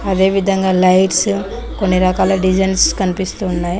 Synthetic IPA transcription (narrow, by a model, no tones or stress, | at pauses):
ɐd̪eːʋid̪ʱɐŋɡaːlɐjʈs | konːiɾɐkaːlɐɖid͡ʒɐnskɐnipist̪uːnːaːj